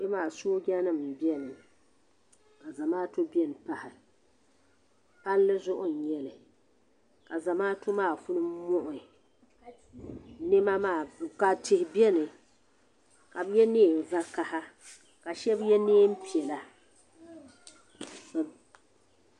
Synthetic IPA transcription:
jɛ˦maː˨soː˦ɡa˦nɨ˦m̩˨bjɛ˦nɨ˨ | ka˨za˨maː˦to˦bi˦ɛ˦˨n˨pa˦hɪ˨ | pa˦llɨ˦zʊ˦ʔʊ˦n̩˨ɲɛ˦lɨ˨ | ka˨za˨maː˦tʊ˦maː˦˨fʊ˦nɨ˦mʊ˦ʔʊ˨ | nɪ˦ma˦maː˨ka˨tɪ˨hɪ˨bi˦ɛ˦nɨ˨ | ka˨bjɛ˦neː˦˨m̩˨va˦ka˦ha˦ | ka˨ʃɛ˦bjɛ˦neː˦m̩˦pi˨ɛ˨la˦˨

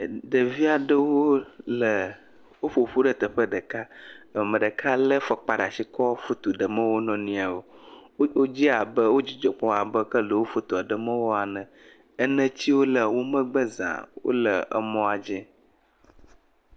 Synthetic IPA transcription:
ɖə˨vi˦a˨ɖə˦wo˦lə˨ | wo˦ɸo˨ɸu˦ɖə˨t̪ə˨ɸə˦ɖə˨ka˦˨mə̃˨ɖə˨kʰa˦lə˦fə˨k͡pa˨ɖa˨si˦kɔ˦fu˦t̪u˨ɖə˨mə̃˦wo˦nɔ̃˨nĩ˦a˨o˨wo˦d͡ʑi˦a˨bə˦wo˦d͡ʑi˨d͡ʒɔ˨k͡pɔ̃˦a˨bə˦kə˦lə˨wo˦fu˦t̪u˨a˨ɖə˨mə̃˦wo˦a˨nə̃˨ | ə˦nə̃˦t͡ɕi˦wo˦lə˨wo˦mə̃˦ɡ͡bə˦zã̰˨wo̰˦lə˨ə̰˨mɔ̃˦a˨d͡ʒɛ̃˦

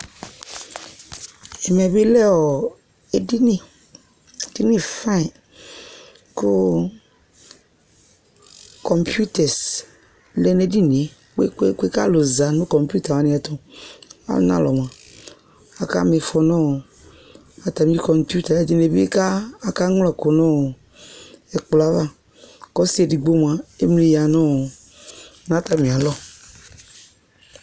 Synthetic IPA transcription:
ɛ˨mɛ˨bi˦lɛ˦wɔ˨ | e˨di˦nĩ˦˨ | d̥i˦nĩ˦fã˦˨ | kʊ˦ | kɔ˨mpu˦tɛ˨s | lɛ˦ne˨di˦ni˨e˨˦ | k͡pe˦ke˦ke˦ka˦˨lo˨za˨nʊ̃˦kɔ˨mpu˦ta˨mã˨˦nɪ̃˨˦ɛ˨tɔ˦a̰˦l̰nã̰˦lɔ˨m˨ã˨ | a˨ka̰˦me˨fɔ˨nɔ̃˦˨ | a˨t̪a˨mĩ˦i˦kɔ˨mpju˦t̪a˨ɛ˨di˦ne˨bḛ˦kaː˦˨ka˦ŋ˦lɔ˦˨ko˨nɔ̃˦˨ | ɛ˨k͡pla˦va˦ | kɔ˦si˦e˨di˨ɡ͡bo˦m˨a˨e˦mle˨ja˨nɔ̃˦˨ | nã˨˦t̪a˨mĩ˨a˨lɔ˦

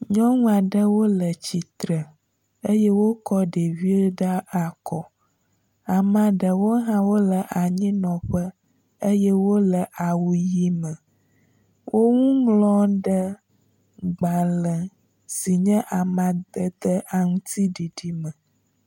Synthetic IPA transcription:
ɲɔ̃˦ŋũ˦a˨ɖə˦wo˦lə˨t͡ɕi˨t̪ɾə˨ | ə˦jɛ˦wo˦kɔ˦ɖe˨vi˦o˦ɖa˦a˨kɔ˨ | a˨mã˨ɖə˨wo˦ɦã˦wo˦lə˨ʔa˨ɲĩ˦nɔ̃˨ɸə˦ | ə˦jɛ˦wo˦lə˨ʔa˨wu˨ji˦mə̃˨ | wʔo˦ŋũ˦ŋlɔ̃˦ɖə˦ | ɡ͡ba˨lə˨ | si˨ɲɛ̃˦ʔa˨mã˨d̪ə˨d̪ə˦ʔa˨ŋũ˦t̪ʰi˦ɖi˨ɖi˦mə̃˨

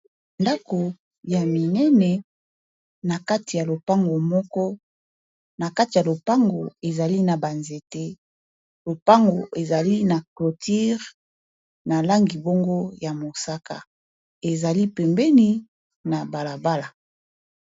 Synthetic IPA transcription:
nda˦ko˨ | ja˨mi˨nɛ˦nɛ˨ | na˨ka˦ti˨ja˨lo˨pa˦ŋɡo˨mɔ˦kɔ˦ | na˨ka˦ti˨ja˨lo˨pa˦ŋɡo˨e˨za˨li˦na˨ba˨nze˨te˦ | lo˨pa˦ŋɡo˨ʔe˨za˨li˦na˨klo˨ti˦ʁ | na˨la˦ŋɡi˨bo˦ŋɡo˦ja˨mo˨sa˦ka̰˨ | e˨za˨li˦pɛ˨mbɛ˦ni˦ | na˨ba˨la˨ba˦la˨

